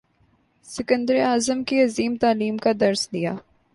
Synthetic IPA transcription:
sɪkə̃nd̪əɾiaːzəmkiɐziːmt̪aːliːmkad̪ɐɾsd̪ijaː

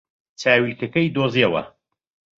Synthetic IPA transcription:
t͡sʰaːwilkɐkɐjd̪oːziɐwɐ̰

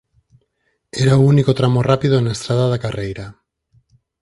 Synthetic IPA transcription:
eɾaounikot̪ɾamorapiðonaest̪ɾaðaðakarejɾa

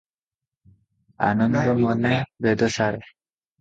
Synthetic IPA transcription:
a̰nɔnd̪ɔmɔnebed̪ɔsaɾe

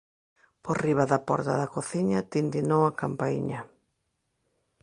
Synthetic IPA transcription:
poriβaðɐpɔɾt̪a̰ðakoθiɲɐt̪ind̪inowakampaḭɲɐ

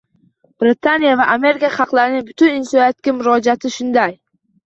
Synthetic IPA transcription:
b̥ɾɪt̪ʰanijavaʔame̞ɾɪkaχɑqlˠaɾɪnɪŋbʊt̪ʰʊnɪnsɒnijat̪̚kʲamʊɾɒd͡ʒat̪ʰɪʃʊnd̪aj

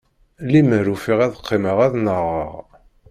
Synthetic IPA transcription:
liməɾufiʁæðəqʰːiməʁæðnəʁə̰ʁ

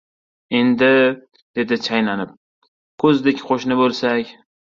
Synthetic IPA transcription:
e̞nd̪ɪ | d̪̥e̞d̪ɪt͡ʃʰajnanɪp̚ | kʰɵzd̪ɪkʲqʰoʃnɪbolˠsakʲ

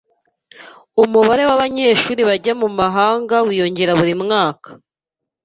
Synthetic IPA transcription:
umuβaɾe̞waβaɲe̞ːʃuːɾiβaɟamumaɦaːŋɡawijo̞ɲɟe̞ɾaβuɾimŋaːkḁ

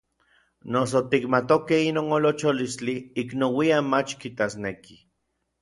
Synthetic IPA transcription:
nosot̪ikmat̪okehinoːnolot͡ʃolist͡ɬiːknowiamat͡ʃkit̪asneki

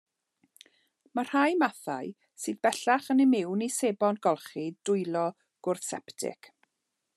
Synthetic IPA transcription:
mar̥hajmaθa̰j | sɨːðbɛɬaχənɪmɪwniseːbɔnɡɔlˠχidʊjlˠɔ | ɡ̥ʊrθsɛptʰɪ̰k

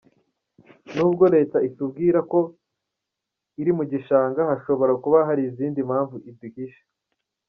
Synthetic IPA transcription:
nuːbɡo̞ɾe̞ːtaisub̚ɡiːɾako̞ | iɾimuɟiʃaːŋɡahaʃo̞βo̞ɾakuβaɦaɾiziːndimhaːɱvuʔibikiʃe̥

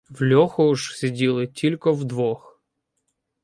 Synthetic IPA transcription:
wlʲɔxɔuʒsʲidʲilˠɪtʲʰilʲkɔwd̪ʋɔx

